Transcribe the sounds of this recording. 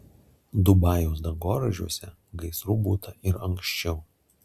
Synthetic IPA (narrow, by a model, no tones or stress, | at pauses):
d̪ʊbɑːjoːs̬d̪ɐɡoːɾɐʒʲuɔsʲɛ | ɡɐɪsɾuːbuːt̪ɐʔɪɾɐŋkʃʲt͡ʃʲɛʊ